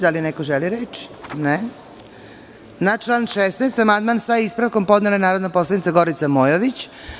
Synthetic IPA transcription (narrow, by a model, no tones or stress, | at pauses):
d̪alinekoʒeliɾet͡ʃi̥ne | nat͡ʃlˠaːnʃesnajst̪amand̪maːnsaispɾaʋko̞mpod̪nelanaːɾod̪napo̞slˠanit̪saɡo̞ɾit̪samoːjoʋit͡ɕ